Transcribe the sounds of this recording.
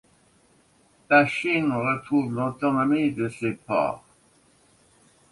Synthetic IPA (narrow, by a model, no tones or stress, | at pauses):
laʃinʁət̪χuːvlɔt̪ɔnɔmid̪əsepɔ̰ːʁ